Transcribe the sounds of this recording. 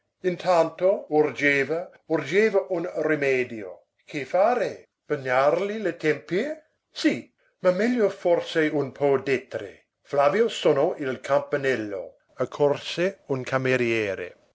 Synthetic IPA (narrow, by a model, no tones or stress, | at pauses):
int̪ʰant̪ourd͡ʒeːva | urd͡ʒeːvaʔunremɛːd̪jo̰ | kʰefaːɾe | b̥aɲːarlilet̪ɛmpie | si | mamɛljofɔrseunpʰɔːd̪ɛt̪ːɾḛ | flavjosonoilkʰampanɛlːo̰ | akʰːorseunkʰameɾjɛːɾḛ